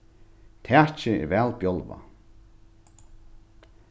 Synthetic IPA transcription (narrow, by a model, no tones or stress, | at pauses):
t̪ʰɛːt͡ʃɪɪ̰ɾvɛːlpjɔlva̰